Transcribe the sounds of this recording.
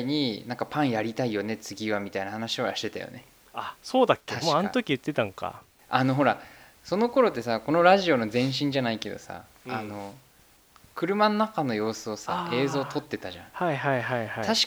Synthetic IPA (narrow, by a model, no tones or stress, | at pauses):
iɲ̟inãŋkapãɰ̃jaɾʲit̪aijo̞ne̞t͡sɨɡʲiβamʲit̪ainahanaɕio̞jaɕi̥t̪e̞t̪ajo̰ne̞ | asoːd̪akʲːeamoanot̪okʲiɯ̟t̪ːet̪ãŋka̰ | ano̞ɦo̞ɾa | so̞no̞ko̞ɾo̞t̪ːe̞sako̞no̞ɾaʑio̞no̞zẽ̞ɰ̃ɕ̬ĩɲ̟d͡ʑanaike̞d̪o̞̰sa̰ | ano̞ | kɯ̟ɾɯ̟manonakano̞jo̞ːsɨo̞sa̰e̞ːzo̞ːt̪ʰo̞t̪ːe̞t̪aʑã̰haiɦaiɦaihat̪aɕi̥